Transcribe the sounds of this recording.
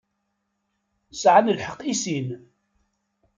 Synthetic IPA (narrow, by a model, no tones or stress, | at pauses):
sʕanəlħəqisin